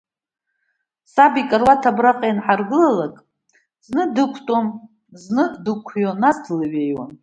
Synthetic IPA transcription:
sabikʼarwatʰabraqʼejnħarɡɨlalakʼ | z̥nɨdɨkʷʰtʼom | znɨdɨkʷʰjonadlɨɥejwa̰n

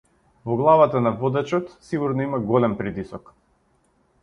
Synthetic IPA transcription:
vɔɡlˠavat̪anavɔd̪ɛt͡ʃɔt̪siɡuɾnɔimaɡɔlɛmpɾit̪isɔk

